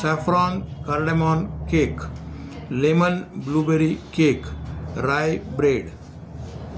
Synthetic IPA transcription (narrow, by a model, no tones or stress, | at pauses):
sɛfɾɔːnkəɾɖemɔːnkeːk | lemənbluːbeɾikeːkɾaːjbɾeːɖ